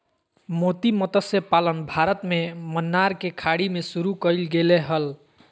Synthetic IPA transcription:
mot̪imət̪əsepalənbʱaɾət̪memənːaɾkekʰaɽimesuɾukəjlɡeleɦəl

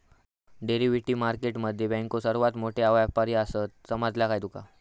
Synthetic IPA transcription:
ɖeɾiʋiʈiːmaɾkeʈməd̪ʱːjebɛ̃ŋkosəɾʋat̪moʈʰeaʋapaɾiasət̪̚səmad͡zljakajd̪uka

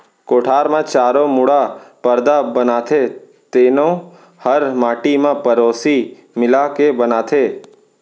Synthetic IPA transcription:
koːʈʰaːɾmãt͡ʃaːɾõmʊɽapəɾd̪abənaːt̪ʰe | t̪eːnõ | həɾmaːʈimãpəɾoːsi | mɪlakebənaːt̪ʰeː

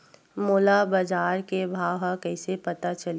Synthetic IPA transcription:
moːlabɐd͡ʒaːɾkebʱaːwɦakɛɪsepɐt̪at͡ʃɐl

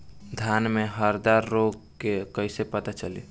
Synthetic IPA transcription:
d̪ʱjanmeɦəɾd̪aɾːoɡkekəɪsepət̪at͡ʃəlḭ

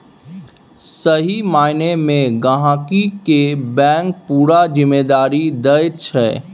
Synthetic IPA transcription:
səɦimaːɪnemẽɡəɦãːkikebɛ̃ːŋk̚puːɾad͡ʒɪmːeːd̪aːɾid̪əjt͡ʃʰɛː

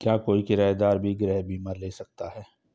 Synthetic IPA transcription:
kjaːkoːikɪɾaːed̪aːɾbʱiɡɾɛːɦbʱiːmaːɾleːsɐk̚t̪aɦɛː

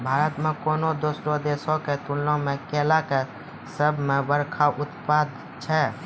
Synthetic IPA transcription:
bʱaːɾət̪mẽkoːnod̪osɾod̪eːsoket̪ulːõmẽkeːlake | səbʱmẽbəɾkʰaʔʊt̪paːd̪ | t͡ʃʰɛ

